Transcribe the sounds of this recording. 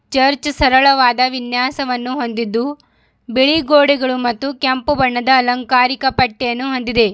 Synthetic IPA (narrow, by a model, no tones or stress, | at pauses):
t͡ʃɐɾt͡ʃsɐɾɐɭɐʋaːd̪ɐʋinjaːsɐʋɐnːuɦo̞nd̪id̪ːu | beɭiɡoːɽiɡɐɭumɐt̪ːukɐmpubɐɳːɐd̪ɐːlɐŋkaːɾikɐpɐʈːejɐnːuɦo̞nd̪id̪e̞